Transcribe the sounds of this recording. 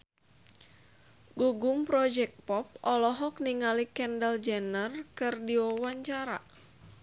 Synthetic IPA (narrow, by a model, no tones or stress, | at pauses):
ɡuɡumpɾɔd͡ʒɛk̚t̚pɔp̚ʔɔlɔɦɔk̚niŋalikɛndəld͡ʒɛnərkɨrdiwɔwaɲt͡ʃaɾa̰